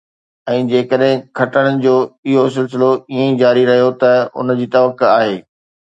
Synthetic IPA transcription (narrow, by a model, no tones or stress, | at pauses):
ɛ̃ːd͡ʑeːkəɗɦɪ̃kʰɐʈəɽ̃ə̃ɪ̆d͡ʑoːɪɦos̬ɪlsɪloiẽĩd͡ʑaːɾiɾɐɦijot̪ɐʊ̰nd͡ʑiːt̪ɐʋəkːaːɦeː